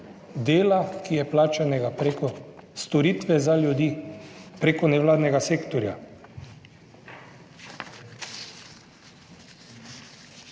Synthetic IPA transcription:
d̪eːlakijɛplaːt͡ʃanɛɡapɾekɔst̪ɔɾiːt̪ʋɛzaljud̪ipɾeːkɔnɛʋlaːd̪nɛɡaseːkt̪ɔɾja̰

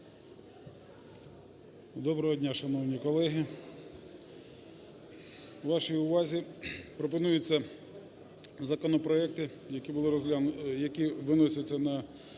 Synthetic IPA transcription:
d̪ɔbɾɔɦɔdʲnʲaʃɐnɔwnʲikɔlˠɛɦi | ʋɑʃijʊʋɑzʲipɾɔp̬ɔnujʊt͡sʲːɐ | zɐkɔnɔpɾɔɛk̚t̪ɪ | jɐkʲibʊlˠɪɾɔzlʲajɐkʲiʋɪnɔsʲɐt͡sʲːɐnɐ

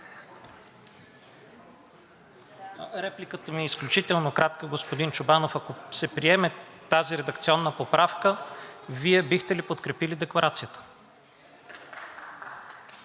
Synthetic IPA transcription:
ɾɛplikət̪əmiɛisklʲut͡ʃit̪ɛlˠnokɾat̪kəɡospod̪int͡ʃʊbanofakosɛpɾiɛmɛt̪aziɾɛd̪əkt̪siɔnːəpopɾafkəviɛbixt̪ɛlipot̪kɾɛpilid̪ɛklˠɐɾat̪sijət̪ə̥

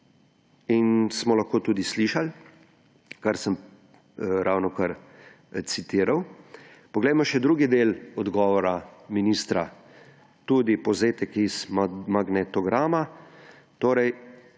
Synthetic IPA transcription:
insmɔlaxkoːt̪uːd̪isliʃal | kaɾsəm | ɾʔawnɔkɐɾ | sit̪iːɾaw | pɔɡlɛjmɔʃɛd̪ɾuːɡid̪eːlɔd̪ɡɔʋɔɾaminist̪ɾa | t̪uːd̪ipɔzeːt̪ɛkizmaɡnɛt̪ɔɡɾaːma | t̪oːɾɛj

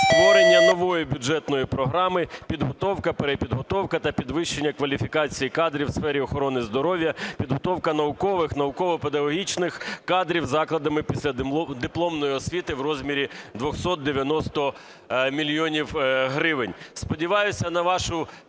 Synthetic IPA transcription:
st̪ʋɔɾenʲːɐnɔʋɔjibʲʊd͡ʒɛt̪nɔjipɾɔɦɾɑmɪpʲid̪ɦɔt̪ɔwkɐpeɾepʲid̪ɦɔt̪ɔwkɐt̪ɐpʲid̪ʋɪʃːenʲːɐkʋɐlʲifʲikɑt͡sʲijikɑd̪ɾʲiwsfɛɾʲiɔxɔɾɔnɪzd̪ɔɾɔʋʲjɐpʲid̪ɦɔt̪ɔwkɐn̪ɐʊkɔʋɪxnɐʊkɔʋɔped̪ɐɦɔɦʲit͡ʃnɪxkɑd̪ɾʲiwzɑklˠɐd̪ɐmɪpʲisʲlʲɐd̪ɪplˠɔmnɔjiɔsʲʋʲit̪ɪwrɔzʲmʲiɾʲid̪ʋɔxsɔt̪̚d̪eʋʲjɐnɔst̪ɔ | mʲilʲjɔnʲiwɦɾɪʋɪnʲspɔdʲiʋɑjʊsʲɐnɐʋɑʃʊ

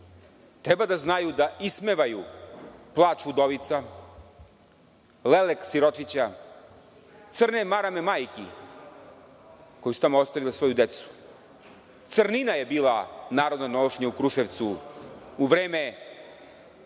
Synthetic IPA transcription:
t̪ɾebad̪aznajud̪aʔismeʋaju | plˠaːt͡ʃud̪oʋit̪sa | leleksiɾo̞t͡ʂit͡ɕa | t̪srnemaɾamemajkḭ | ko̞just̪amoost̪aʋilesʋo̞jud̪et̪su̥ | t̪sɨrninaje̞biːlˠanaːɾo̞d̪nanoʂɲaukɾuʃeʋt̪su | uʋɾeːme

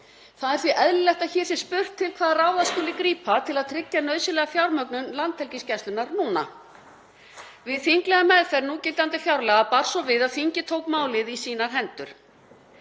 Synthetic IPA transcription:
θaðɛɾ̥θviʔɛðlɪlɛht̪açɛ̥ːsjɛspʏr̥t̪ʰːɪlkʰvaːðraːwðaðskʏːlɪkɾiːpʰat̪ʰɪlaðt̪ʰɾɪcːanœɥðsʏlɛɣafjawɾmœknʏnlant̪hɛlciscɛst̪ʏnaɾnuːna̰ | vɪðθiŋklɛɣamɛðfɛɾnuːcɪlt̪ant̪ɪfjawɾlɛɣapaɾ̥sɔvɪðaðθiɲcɪt̪ʰoːwkmaːwlɪðisiːnaɾ̥ɦɛnt̪ʏɾ̥

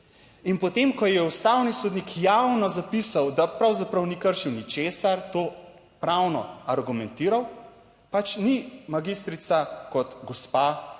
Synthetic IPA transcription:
inpɔt̪emkɔjɛust̪awnisod̪nikʰjawnɔzapisawd̪apɾawzapɾɐwnikəɾʃiwnit͡ʃeːsaɾt̪oː | pɾawnɔ̰aɾɡumɛnt̪iːɾaw | pat͡ʃnimaɡist̪ɾit̪sakɔt̪ɡɔspa

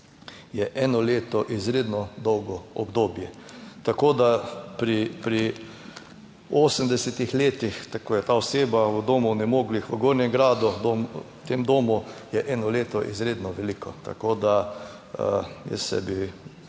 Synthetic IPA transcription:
jɛʔɛnɔleːt̪ɔʔizɾeːd̪nɔd̪ɔwɡɔɔbd̪oːbjɛt̪akoːd̪apɾipɾi | oːsəmd̪ɛsɛt̪ixleːt̪ixt̪akoːjɛt̪aɔseːbaud̪oːmunɛmoːɡlixʋəɡoɾnjɛmɡɾaːd̪ud̪om | t̪emd̪oːmujɛʔɛːnɔleːt̪ɔʔḭzɾeːd̪nɔʋɛlikʰɔt̪a̰koːd̪a | jɛ̰sɛ̰bi

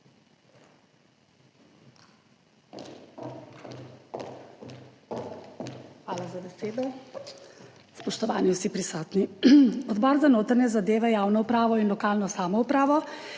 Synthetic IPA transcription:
xʋaːlazabɛseːd̪ɔ | spɔʃt̪ɔʋaːniwsipɾisɔːt̪niɔd̪bɔːɾzanoːt̪aɾnɛzad̪eːʋɛjaːwnɔupɾaːʋɔinlɔkaːlnɔsaːmɔupɾaːʋɔ

